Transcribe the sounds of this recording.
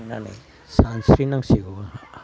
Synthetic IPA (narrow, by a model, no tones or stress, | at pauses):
na̰nḭ | sansɾinaŋsiɡu